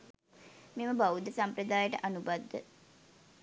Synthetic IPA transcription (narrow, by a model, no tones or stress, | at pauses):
meməbaud̪əsampɾəd̪aːjəʈəʔanubad̪ːə̰